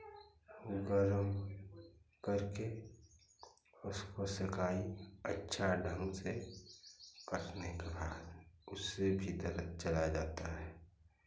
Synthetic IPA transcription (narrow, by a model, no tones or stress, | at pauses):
ʊɡəɾəm | kəɾke | ʊskosɪkʰaːiətːʃʰaɖʱə̃ŋɡse | kəʈnekebaːd̪ʊsːebʱid̪əɾət͡ʃəlad͡ʒaːt̪aɦɛː